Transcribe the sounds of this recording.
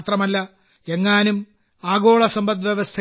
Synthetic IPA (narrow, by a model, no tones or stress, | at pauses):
t̪rɐmɐlːɐ | e̞ŋːaːnum | aːɣo̞ːɭɐsɐmbɐt̪ʋjeʋɐst̪ʰɐ